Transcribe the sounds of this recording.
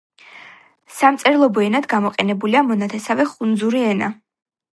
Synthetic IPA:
samt̪sʼɛɾlˠɔbɔɛnad̪ɡamɔqʼɛnɛbuliamɔnat̪ʰɛsavɛχund̪zuɾiɛna̰

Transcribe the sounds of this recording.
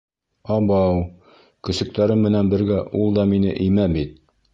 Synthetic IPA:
ɑbɑw | kɵ̆sɵ̆k̚t̪æɾɘmːɘ̆nænbɘ̆ɾɡæʔulˠd̪ɑminɘʔɘ̆jmæbit̪̚

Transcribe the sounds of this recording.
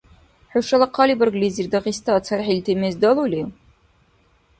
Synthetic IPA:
ħʊʃɐlɐqʰɑlibɐrɡlizirdɐʁistʰat͡sʰɐɾħiltʰemezdɐluli

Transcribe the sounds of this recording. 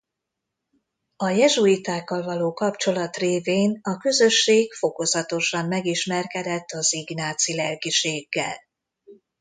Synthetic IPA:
ɒjɛʒuit̪aːkːɒlvɒloːkɒpt͡ʃo̞lɒt̪reːveːnɒkø̞zø̞ʃːeːɡfo̞ko̞zɒt̪o̞ʃɒmːɛɡiʃmɛrkɛd̪ɛt̪ːɒziɡnaːt̪silɛlɡiʃeːɡːɛ̰l

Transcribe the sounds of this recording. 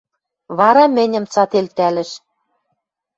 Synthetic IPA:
βɑɾɑmɘ̆nʲɘ̆mt͡sɑt̪elt̪ælɘ̆ʃ

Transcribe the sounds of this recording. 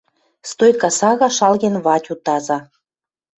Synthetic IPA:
st̪ojkɑsɑɣɑʃɑlɣenβɑtʲut̪ɑzɑ

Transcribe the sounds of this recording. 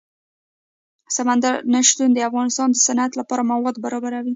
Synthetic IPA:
samand̪aɾnaʃt̪und̪əafɣɑnɪst̪ɑnd̪əsanat̪lapɑɾamawɑd̪baɾɑbaɾawi

